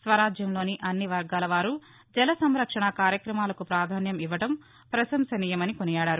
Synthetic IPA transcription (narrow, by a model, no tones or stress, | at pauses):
sʋɐɾaːd͡ʒjɐmloːniʔɐnːiʋɐɾɡaːlɐʋaːɾu | d͡ʒɛlɐsɐmɾɐkʂɐɳɐkaːɾjɐkɾɐmaːlɐkupɾaːd̪ʱaːnjɐmiʋɐɽɐm | pɾɐsɐmsɐniːjɐmɐnikonijaːɽaːɾu